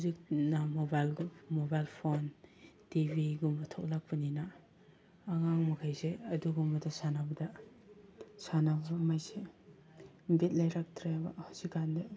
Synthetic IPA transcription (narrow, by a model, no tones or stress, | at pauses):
uzik̚namobajlɡmobajlpʰontibʱiɡumbɐtʰɔk̚lak̚paninaː | ŋaŋmɐkʰajseɐduɡumbɐdasanabɐda | sanabmajse | bet̚lajɾak̚tʰɾajbahazikande